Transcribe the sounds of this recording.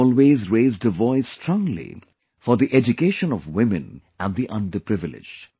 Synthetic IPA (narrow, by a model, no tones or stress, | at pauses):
lˠweːzɹeɪzdəvɔɪstʰɾɔ̃ŋlḭ | fɔɾd̪iʔɛd͡ʒukeːʃə̃nɔvwɪ̃mɨ̃n | æ̃nd̪iʔʌ̃nɖəpɾɪvɪlɪ̰̥d͡ʒ̥